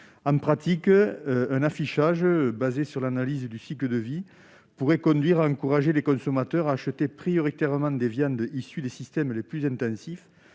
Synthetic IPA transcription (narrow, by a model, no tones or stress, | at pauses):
ɑ̃mpχat̪ikəøɛ̃nafiʃaʒəbazesyʁlanalizəd̪ysikləd̪əvi | puʁɛkɔ̃nd̪ɥiʁaɑ̃kuʁaʒelekɔ̃sɔmat̪œʁaːʃət̪epχijɔʁit̪ɛʁəmɑ̃d̪evjɑ̃nd̪isyd̪esist̪ɛmleplyzɛ̃nt̪ɑ̃sif